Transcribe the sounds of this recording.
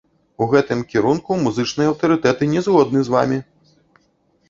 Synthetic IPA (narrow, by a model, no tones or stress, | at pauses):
uɣɛt̪ɨmkʲiɾunkumuzɨt͡ʂnɨjɛɐwt̪ɐɾɨt̪ɛt̪ɨnʲɛzɣɔd̪nɨzva̰mʲi